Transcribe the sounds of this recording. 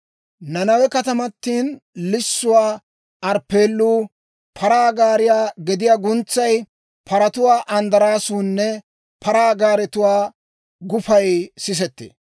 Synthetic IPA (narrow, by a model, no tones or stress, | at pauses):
nɐnɐwɛkɐt̪ɐmɐt̪ːiːnlɪsːʊwaː | ɐɾpːe̞ːlːuː | pʰɐɾaːɡaːɾɪjaːɡɛd̪ɪjaːɡʊnt͡sːɐj | pʰɐɾɐt̪ʊwaːʔɐnd̪ɐɾaːsuːnːɛ | pɐɾaːɡaːɾɛt̪ʊwaː | ɡʊfɐjsɪs̬ɛt̪ːḛː